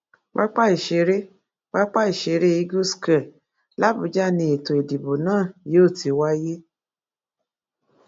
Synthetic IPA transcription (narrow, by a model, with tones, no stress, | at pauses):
wa˦k͡pa˦i˨ʃe˧˦ɾe˦ | wa˦k͡pa˦i˨ʃe˨˦ɾe˦i˦ɡu˦ska˨ | la˦bu˨˧˦d͡ʒa˦nĩ˧e˨to˨i˨di˨bo˨nãː˦˨je˨˦o˦˨ti˨˦wa˦je˦